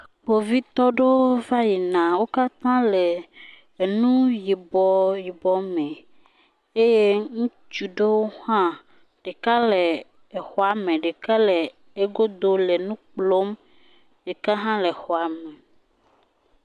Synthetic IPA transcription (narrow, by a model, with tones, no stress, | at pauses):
bo˨vi˦t̪ɔ˦ɖe˦wo˦va˦ji˨nã˨wo˦ka˦t̪ã˦le˨ | nũ˦ji˨bɔ˨ji˨bɔ˦mẽ˨ | e˦je˦ŋũ˦ | t͡ʃu˨ɖe˦wo˦hã˦ | ɖ̥e˨ka˦le˨ | e˨xɔ˨a˨mẽ˨ɖe˨ka˦le˨ | e˦ɡo˦d̪o˦le˨nũ˦k͡plo˦m | je˨ka˦ɦã˦le˨xɔ˨a˨me˨